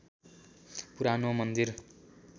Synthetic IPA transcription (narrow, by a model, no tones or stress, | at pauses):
puɾanomʌnd̪ir